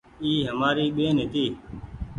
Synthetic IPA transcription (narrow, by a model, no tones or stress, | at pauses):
iːɦəmaːɾiːɓeːnɦet̪iː